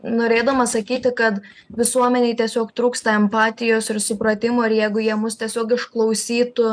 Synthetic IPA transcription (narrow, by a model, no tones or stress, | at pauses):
noːɾʲeːd̪ɐmɐsɐkʲiːt̪ʲɪkɐt̪ | ʋʲɪsuɔmʲɛnʲɛɪt̪ʲiɛsʲoːkt̪ɾuːkst̪ɐɛmpɑːt̪ʲɪjoːsɪɾsʊpɾɐt̪ʲɪmoːɪɾjɛɪɡʊjiɛmʊst̪ʲiɛsʲoːkɪʃklˠɐʊsʲiːt̪ʊ